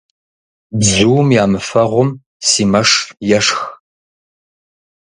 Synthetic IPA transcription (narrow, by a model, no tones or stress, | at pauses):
bzuwmjaːmɨfɐʁʷʊm | siːmɐʂjɛʂx